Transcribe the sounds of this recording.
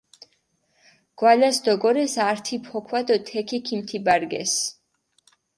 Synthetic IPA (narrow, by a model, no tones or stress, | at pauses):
ɡ̥walasd̪ɔɡɔɾɛsaɾt̪ʰipʰɔkʰwad̪ɔt̪ʰɛkʰikʰimt̪ʰibaɾɡɛ̰s